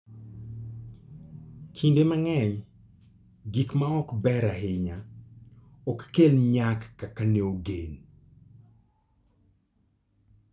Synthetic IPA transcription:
kʰindemaŋɛɲ | ɡikmaɔkbɛɾaɦɪɲa | ɔkːelɲakːakaneoɡen

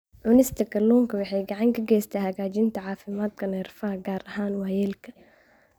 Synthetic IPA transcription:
ʕʊnɪst̪ɐkɐluːŋkɐwɑħɛjɡɐʕaŋkɐɡɛːst̪ʰahɐɡaːd͡ʒɪnt̪aʕaːfɪmaːt̪kʰɐnɐɾfahɡaːɾʔɐhaːnwaːjɛlkʰɐ̥

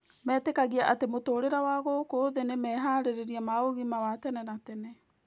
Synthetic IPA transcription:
mɛːtekaɣiaʔatemotoːɾeɾawaɣokoðenemɛːɦaɾeɾeɾiamaoɣimawatɛnɛnatɛnɛ

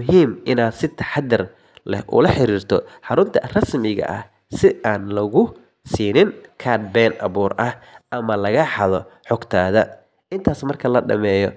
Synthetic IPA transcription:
mʊɦiːmʔɪnaːd̪sɪt̪ʰɐ̥ħɑd̪ɪr | lɛ̰hʔʊ̰lɐħɪɾiːrt̪ʰɔħɑɾʊnt̪ʰɐrɐsmɪɣɐ̰ʔɐh | sɪaːnlɐɣʊ | siːnɪŋkʰaːd̪̚bɛːnʔɐ̰βuːrʔɐhʔɐmɐlɐɣɐħɑðɔħɔɡt̪ʰaːðɐ | ʔɪnt̪ʰaːsmɐrkʰɐlɐɖɐ̰mɛːjɔ

